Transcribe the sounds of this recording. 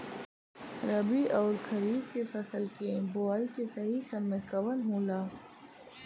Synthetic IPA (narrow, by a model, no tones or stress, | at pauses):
ɾɐbiʔɔːɾkʰɐɾiːbkefɐsəlkeboaːikesɐɦisɐbːẽkɐʋənɦõːlaː